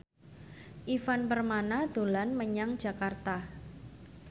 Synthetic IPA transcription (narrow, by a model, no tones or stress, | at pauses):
ʔifanpərmanad̪̥o̤lanməɲaŋ̥d͡ʒ̥a̤kart̪a